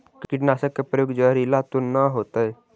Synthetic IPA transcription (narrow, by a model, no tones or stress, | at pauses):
kkɪʈnaːsəkːepɾəjoːɡd͡ʒəɾilat̪onaɦoːt̪aɛ